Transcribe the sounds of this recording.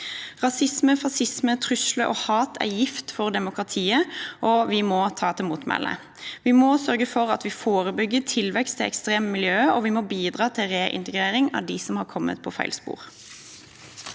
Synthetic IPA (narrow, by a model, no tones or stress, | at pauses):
ʁɑsɪsməfɑsɪsmət̪ʰʁʉsləʔohɑːt̪ʰæ̰jɪft̪fɔʁd̪ɛmʊkʁɑt̪ʰiːəʔɔʋɪmɔːt̪ʰɑːt̪ʰɪmuːt̪mɛ̰lʔə̰ | ʋɪmoːsœʁɡəfɔʁɑ̰t̪ʋɪfoːʁəbʏɡːət̪ʰɪlʋɛkst̪ʰɪɛ̰kst̪ʁeːmmɪljøːɔʋɪmɔbiːd̪ʁɑːt̪ʰɪlʁeːʔɪ̰nt̪əɡɾeːɾɪŋɑ̰ʋd̪ɪsɔmhɑːkʰɔmːə̰t̪̚pʰɔfæ̰ɪlspṵːʁ